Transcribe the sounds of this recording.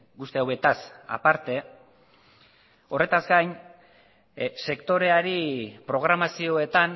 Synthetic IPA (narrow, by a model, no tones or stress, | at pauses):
ɡust̪eawe̞t̪asa̰paɾt̪e̞ | o̞re̞t̪azɡajn | se̞kt̪o̞ɾe̞aɾipɾo̞ɣ̞ɾamasio̞e̞t̪an